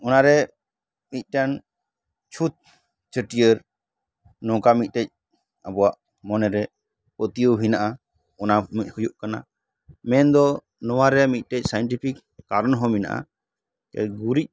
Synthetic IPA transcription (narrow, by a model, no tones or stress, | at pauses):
ɔnaɾɛ | mit̪̚ˀʈan | t͡ʃʰut̪̚ | t͡ʃəʈijəɾ | nɔ̃kamit̪̚ˀʈɛc̚ | abɔwaʔ | mɔnɛɾɛ | pɔt̪ijoɦinaʔa | ɔnamit̪̚ˀhujuʔkana̰ | mɛnd̪ɔ | nɔwaɾɛamit̪̚ˀʈɛc̚ˀsajɔnʈipʰikː | aɾɔnɦɔmina̰ʔa̰ | kɛ̰ɡuɾic̚